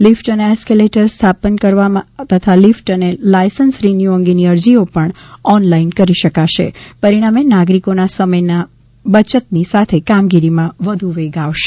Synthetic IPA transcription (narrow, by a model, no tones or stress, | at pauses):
lifʈəneɛskeleʈəɾst̪ʰapənkəɾʋamãt̪ət̪ʰalifʈənelajsənsɾinjuə̃ŋɡeniəɾd͡ʒiopəɳɔnlainkəɾiʃəkaʃḛpəɾiɽ̃amenaɡɾikonasəməjna | bət͡ʃət̪nisat̪ʰekamɡiɾimãʋəd̪ʱuʋeɡaʋʃe̥